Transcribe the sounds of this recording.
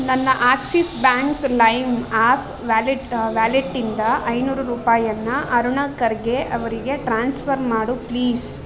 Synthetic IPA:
nɐnːɐʔaːksisbaːŋklɐjmaːp | ʋaːliʈʋaːliʈːind̪ɐʔɐjnuːɾuɾuːpaːjɐnːɐʔɐɾuɳɐkɐɾɡe̞ʔɐʋɐɾiɡe̞ʈɾaːnspʰɐɾmaːɽupliːs

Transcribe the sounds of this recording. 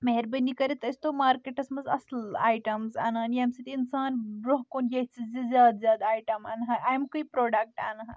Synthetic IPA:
mɐɦeɾbɐnikɐɾit̪ɐst̪omaːɾkeʈɐsmɐzɐ̰sla̰ːjʈɐmza̰ːnanɐmsɐt̪iinsaːnbɾoɦkonjɐt͡sizizʲjaːd̪zʲjaːd̪aːjʈɐmaːnɦɐʔaːjmkəipɾoːɖɐk̚ʈa̰ːnɐɦɐ

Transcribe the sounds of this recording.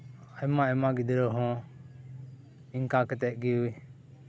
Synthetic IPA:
ajmaɛmaɡid̪ɾɔɦɔ̃ | iŋkakɛt̪ɛʔ̚ɡiui

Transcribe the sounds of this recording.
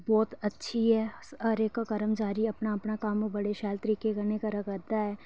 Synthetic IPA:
bɔːt̪ɐtːʃʰiɦɛɐɾeːkːkɐɾəmd͡ʒaːɾiɐpnaɐpnakaːmobɐɽeʃaːlt̪əɾiːkekɐɾnekaɾɐkəɾd̪aɦɛː

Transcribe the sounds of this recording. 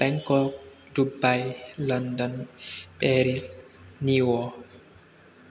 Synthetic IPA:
b̥ɛŋkɔk | dubajlɔndɔnpɛɾis | niwɔ

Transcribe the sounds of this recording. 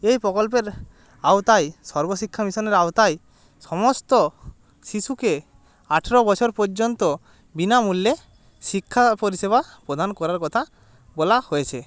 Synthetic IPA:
ejpɾɔkɔlp̬eɾ | awt̪ajsɔɾbosikʰːamisɔneɾaot̪aj | sɔmɔst̪ɔ | sisuke | aʈʰeɾɔbɔt͡ʃʰɔɾpɔɾd͡ʒɔnt̪ɔ | binamulːe | sikʰːapoɾiseβapɾɔd̪ʱanɔkɔɾaɾkɔt̪ʰa | bolahoet͡ʃʰe

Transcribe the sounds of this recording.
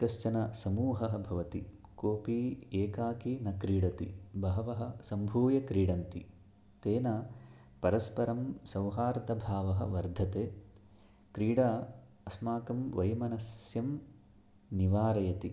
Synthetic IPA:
kɐst͡ʃɐnɐsɐmuːɦɐɦɐbʱɐʋɐt̪i | koːpieːkaːkinɐkɾiːɽɐt̪ibʱɐɦɐʋɐɦɐ̆sɐmbʱuːjɐkɾiːɽɐnt̪ḭ | t̪eːnɐ | pɐɾɐspɐɾɐmsɐwɦaːɾt̪ɐbʱaːʋɐɦɐ̆ʋɐɾd̪ʱɐt̪eː | kɾiːɽaː | ɐsmaːkɐmʋɐjmɐnɐsjɐm | niʋaːɾɐjɐt̪i

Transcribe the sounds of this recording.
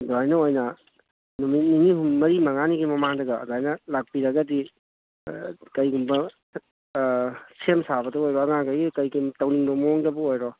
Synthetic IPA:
doajnɐojnɐ | numit̚niniɦumːɐɾimɐŋaniɡimɐmaŋdɐɡɐdajnɐlak̚piɾɐɡɐdi | kɐjɡumbɐ | sʰemsabɐdɐojɾɔɐŋaŋɡajɡikɐjɡitɐwniŋbɐmoŋdɐbuojɾɔ

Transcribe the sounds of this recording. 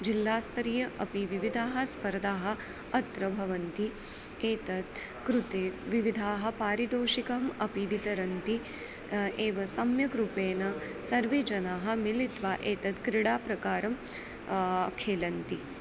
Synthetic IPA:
d͡ʒilːaːst̪ɾijɐʔɐpiʋiʋid̪ʱaːɦɐ̆spɐɾd̪aːɦɐ̆ | ɐt̪ɾɐbʱɐʋɐnt̪i | eːt̪ɐt̪ | kɾut̪eːʋiʋid̪ʱaːɦɐ̆paːɾid̪oːʃikɐɐmɐpiʋit̪ɐɾɐnt̪i | eːʋɐsɐmjɐkɾupeːnɐsɐɾʋeːd͡ʒɐnaːɦɐ̆milit̪ʋaːʔeːt̪ɐt̪kɾiɽaːpɾɐkaːɾɐm | kʰeːlɐnt̪i

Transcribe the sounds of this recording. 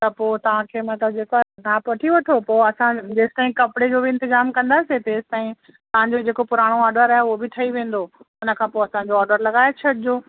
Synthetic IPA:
t̪ɐpoːt̪ɐʋ̤ãkʰeːmɐt̪ləb̚d͡ʑeːkanapɐʈʰiʋɐʈʰopoːɐsãd͡ʑeːst̪aːĩkɐpɽed͡ʑoːbɪɪ̃nt̪ɪzaːmkɐ̃nd̪aːset̪eːzɪt̪aːĩ | t̪ɐʋ̤ãɲd͡ʑod͡ʑeːkopʊɾaːɽ̃oɔːɖəɾaːɦeʊɦobɪt̪ʰɐiʋẽːn̆d̪oʊnə̆kʰãːpoːɐsãɲd͡ʑoɔːɾɖəɾlɐɡaːjot͡ɕʰɐʈɪd͡ʑoː

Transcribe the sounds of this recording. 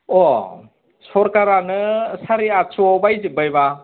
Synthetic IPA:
o | sɔɾkaɾanɯsaɾiat͡ʃuɔbajzibajba

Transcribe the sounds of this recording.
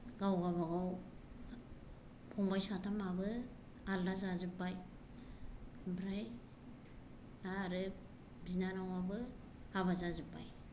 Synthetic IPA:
ɡawɡaβaɡaw | pʰɔŋbajsatʰamabɯ | aldazazɯpːaj | bɾaj | aɾɯ | binanawabɯ | aβazazɯpːa̰j

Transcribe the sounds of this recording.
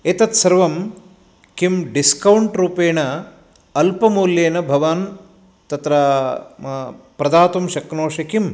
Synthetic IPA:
et̪ɐt̪sɐɾʋɐm | kimɖiskɐwɳʈɾuːpeːɳɐ | ɐlpɐmuːljeːnɐbʱɐʋaːn | t̪ɐt̪ɾɐ | pɾɐd̪aːt̪umʃɐknoːʂɐkim

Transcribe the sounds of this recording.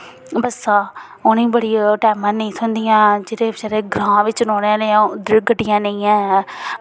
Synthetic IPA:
bəsaː | onĩːbəɽiːaʈɛːmãːnəĩːsʊnd̪ijãːd͡ʒɪːɾẽːd͡ʒəɾeːɡɾãːʋɪt͡ʃnoːnãːneːãːd̪ɪɡəɖɪjãːnəĩːɛ̃ː

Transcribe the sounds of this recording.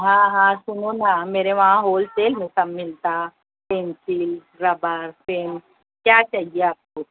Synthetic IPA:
ɦãːɦãːsʊnonameːɾeʋɐɦãɦoːlseːlmẽsɐmːɪlt̪a | pẽːnsil | ɾɐbəɾfeːm | kjaːt͡ʃaːɦieaːp̚koː

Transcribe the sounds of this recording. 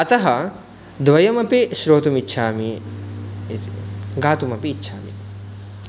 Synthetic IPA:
ɐt̪ɐɦɐ | d̪ʋɐjɐmɐpiʃɾoːt̪umitːʃʰaːmi | ɡaːt̪umɐpiːtːʃʰaːmḭ

